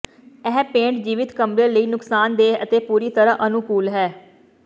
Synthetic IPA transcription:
ɛːpẽːɳʈd͡ʒiːʋɪt̪kəmɾeːləiːnʊksaːnd̪eːət̪eːpuːɾiːt̪əɾaʔənʊkuːlɦɛː

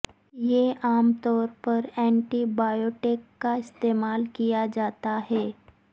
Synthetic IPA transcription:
jeʔamt̪ɔɾpəɾɛ̃ɳʈibajoʈekːaɪst̪emalkijad͡ʒat̪aɦe

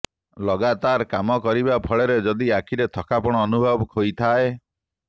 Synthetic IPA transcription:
lɔɡat̪aɾkamɔkɔɾibapʰɔɭeɾed͡ʒɔd̪iakʰiɾet̪ʰɔkʰapɔɽ̃ɔːnubʱɔbɔkɦojt̪ʰae

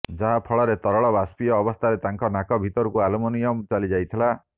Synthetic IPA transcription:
d͡ʒaɦapʰɔɭɔɾet̪ɔɾɔɭɔbaspijɔːbɔst̪ʰaɾet̪aŋkɔnakɔbʱit̪ɔɾukualɔmɔnijɔmt͡ʃalid͡ʒajt̪ʰila

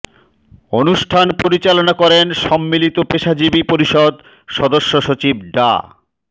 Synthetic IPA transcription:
onuʃʈʰanpoɾit͡ɕalonakɔɾenʃɔmːilit̪opeʃad͡ʑibipoɾiʃod̪ | ʃɔd̪oʃːoʃot͡ɕib̚ɖa̰

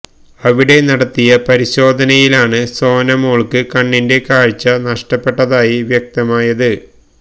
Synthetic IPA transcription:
ɐʋiɽe̞nɐɽɐt̪ːijɐpɐɾiɕo̞ːd̪ʱɐnɐjilaːɳɨso̞ːnɐmoːɭkɨkɐɳːinde̞kaːɻt͡ɕːɐnɐʂʈɐpːe̞ʈːɐðaːjiʋjɐk̚t̪ɐmaːjɐðɨ

